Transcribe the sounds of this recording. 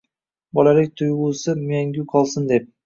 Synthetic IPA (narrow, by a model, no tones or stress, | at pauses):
bɒlalɪk̚ʲt̪ʰʊjʁuːsɪmjaŋɡʲʊqʰɒlˠsɪnd̪e̞p̚